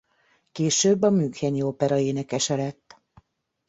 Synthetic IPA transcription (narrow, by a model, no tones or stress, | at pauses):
keːʃøːbːɒmyːkhɛniopɛɾɒeːnɛkɛʃɛlɛt̪ː